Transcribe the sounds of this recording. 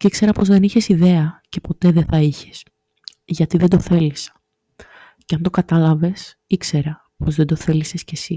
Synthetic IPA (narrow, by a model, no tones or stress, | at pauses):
cikse̞ɾɐpo̞zðe̞niçe̞siðe̞ɐce̞po̞t̪e̞ðeθɐiçe̥s | ʝɐt̪iðed̪o̞θe̞lisɐ̥ | ceɐnd̪o̞kɐt̪ɐlɐve̞s | ikse̞ɾɐ | po̞zðe̞nd̪o̞θe̞lise̞sce̞si